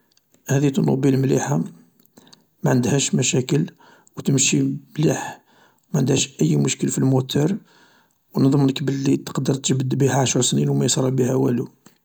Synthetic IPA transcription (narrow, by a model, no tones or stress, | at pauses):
hæd̪it̪ənṵbilmlḭħa | mæʕənd̪hæʃmæʃækəl | wt̪əmʃimliħ | wmæʕənd̪hæʃʔəjːmʊʃkəlfilmut̪ɑɾˤ | wnðˤəmnəkbəlːit̪ə̥qd̪əɾˤt̪əʒbəd̪bihæʕaʃəɾsninwmæjsˤɾˤɑbihæwælu